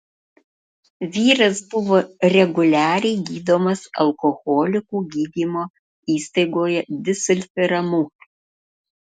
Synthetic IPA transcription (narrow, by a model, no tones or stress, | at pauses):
ʋʲiːɾɐsbʊʋoːɾʲɛɡʊlʲæːɾʲɛɪɡʲiːd̪oːmɐsɐ̰lˠkoxoːlʲɪkuːɡʲiːd̪ʲiːmoː | iːst̪ɐɪɡoːjɛd̪ʲɪsʲʊlʲfʲɪɾɐmuː